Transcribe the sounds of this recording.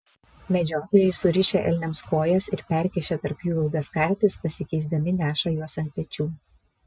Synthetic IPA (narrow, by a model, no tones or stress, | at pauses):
mʲɛd͡ʒʲoːt̪oːjɛɪsʊɾʲɪʃʲɛʔɛ̰lʲnʲɛmskoːjɛsɪɾpʲɛɾʲkʲɛʃʲɛt̪ɐɾpjuːɐlˠɡ̪ɐskɑˑɾʲt̪ʲɪspɐsʲɪkʲɛɪzʲd̪ʲɐmʲɪnʲæːʃɐjuɔsɐnt̪̚pʲɛt͡ʃʲuː